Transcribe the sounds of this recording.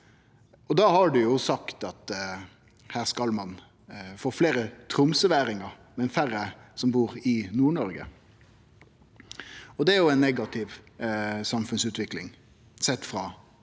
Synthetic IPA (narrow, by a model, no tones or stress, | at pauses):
ɔd̪ɑːhɑɖʉjʊsɑkt̪ɑt̪ | hæːʁskɑlmɑn | foːfleːɾət̪ʰɾʊmsəʋæːɾɪŋɑɾ | mɛnfæɾəsɔmbuːɾɪnuːɳɔɾɡə̰ | ɔd̪ɛæɾjʊɛɪnːɛɡɑt̪ʰɪʋ | sɑmfʉnsʉːt̪ʋɪklɪ̰ŋ | sɛt̪ːfɾɑ